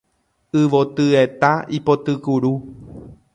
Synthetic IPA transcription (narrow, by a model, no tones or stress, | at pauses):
ɨʋot̪ɨe̞t̪aipot̪ɨkuɾu